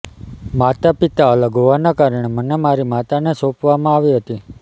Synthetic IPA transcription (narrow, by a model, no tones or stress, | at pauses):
mat̪apit̪aələɡʱoʋanakaɾəɳ̃emənemaɾimat̪anesopʋamãaʋiɦət̪i